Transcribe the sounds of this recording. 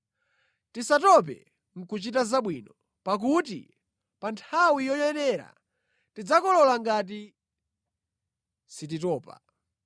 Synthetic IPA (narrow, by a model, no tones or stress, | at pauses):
tisatɔp̬ɛ̰ | ŋ̩kut͡ʃitazaɓwiːnɔ | pak̬utḭ | pantʰawijɔjɛnɛɾa̰ | tid͡zakɔlɔlaŋɡat̬i | sit̬itɔːpa̰